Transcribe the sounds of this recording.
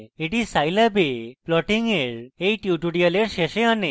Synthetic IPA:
iʈizsajlabeplɔʈĩŋeɾejʈjuʈuɽijaleɾɕeɕẽane

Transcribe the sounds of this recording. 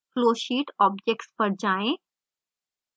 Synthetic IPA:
kloːʃiːʈɔːb̚d͡ʒek̚ʈspəɾd͡ʒaːẽ

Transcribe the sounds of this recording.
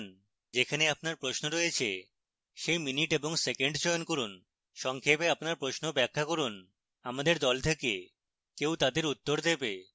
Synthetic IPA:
n | d͡ʑekʰaneapnaɾpɾosnoɾojet͡ɕʰḛ | ʃejminiʈeboŋsekeɳɖt͡ɕɔjonkoɾun | ʃɔŋkʰepeapnaɾpɾoʃnobɛkʰːakoɾun | amad̪eɾd̪ɔlt̪ʰeke | kewt̪ad̪eɾut̪ːoɾd̪ebe

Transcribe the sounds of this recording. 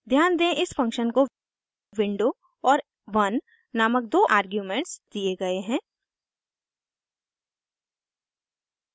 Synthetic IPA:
d̪ʱjaːnd̪ẽʔɪsfɐ̃ŋkʃənko | ʋɪ̃ɳɖo | ɔːɾ | ʋɐnː | aːmək̚d̪oːʔaːɾɡjuːmẽːɳʈsd̪̥ieɡɐeɦɛ̃ː

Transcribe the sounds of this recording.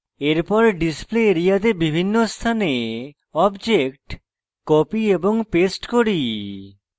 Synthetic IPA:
eɾpɔɾɖispleɾijad̪ebibʱinːost̪ʰane | ɔbd͡ʑekʈ | kɔpieboŋpesʈkoɾi

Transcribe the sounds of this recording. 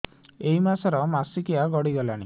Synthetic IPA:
eɦimasɔɾɔmasikiaɡɔɽiɡɔlaɽ̃ḭ

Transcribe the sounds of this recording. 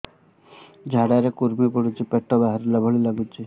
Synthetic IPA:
d͡ʒʱaɽaɾekuɾbipɔɽut͡ʃʰipeʈːɔbaɦaɾilabʱɔɭilaɡut͡ʃʰi

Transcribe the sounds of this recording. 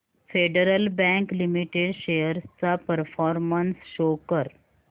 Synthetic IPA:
feːɖəɾəlbɛ̃ŋklimiʈeɖʃejəɾst͡sapəɾfʰɔːɾmənsʃoːkəɾ

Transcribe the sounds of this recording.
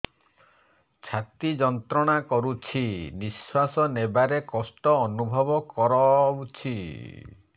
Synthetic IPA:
t͡ʃʰat̪id͡ʒɔnt̪ɾɔɽ̃akɔɾut͡ʃʰiniswasɔnebaɾekɔsʈɔːnubʱɔbɔkɔɾɔwt͡ʃʰi

